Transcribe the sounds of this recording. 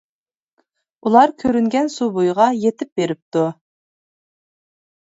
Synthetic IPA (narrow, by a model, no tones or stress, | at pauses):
ulˠɑɾkʲʰøɾyŋɡʲɛnsubojʁɑjet̪ʰɪp̚beɾɪp̚t̪u